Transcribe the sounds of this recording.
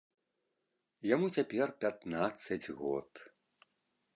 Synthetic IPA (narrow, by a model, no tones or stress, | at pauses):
jamut͡sʲapʲɛrpʲat̪nat̪sːɐd͡zʲɣɔ̰t̪